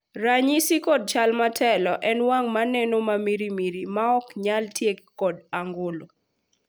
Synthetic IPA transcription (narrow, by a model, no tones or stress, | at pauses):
ɾaɲisikɔd̚t͡ʃalmatʰɛlɔʔɛnwaŋmanɛnomamiɾimiɾimaɔkɲaltjekkːɔdaŋɡolo